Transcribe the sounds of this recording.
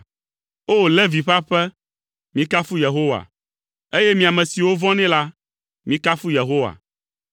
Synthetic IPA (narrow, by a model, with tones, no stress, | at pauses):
o˦le˦vi˨ɸa˦ɸɛ˦ | mĩ˦ka˦fu˦je˨ɦo˦wa̰˨ | e˦jɛ˦mĩ˨a˨mɛ̃˨si˨wo˦vɔ̃˦nɛ̃˦la˦ | mĩ˦ka˦fu˦je˨ɦo˦wa̰˨